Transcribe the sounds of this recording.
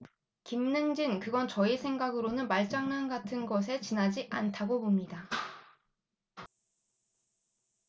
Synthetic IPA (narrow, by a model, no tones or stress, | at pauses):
kimnɯŋd͡ʑinkɯɡʌnt͡ɕʌisʰe̞ŋɡaɡɯɾonɯnmaɭt͡ɕ͈aŋnanɡatʰɯnɡʌs̬ʰe̞t͡ɕinɦad͡ʑiʔantʰaɡopomɲida